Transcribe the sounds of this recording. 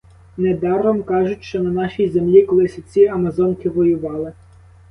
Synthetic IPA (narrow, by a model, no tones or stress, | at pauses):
ned̪ɑrɔmkɑʒʊtʲʃt͡ʃɔnɐnɑʃʲijzemlʲikɔlˠɪsʲɐt͡sʲiɐmɐzɔnkɪʋɔjʊʋɑlˠɪ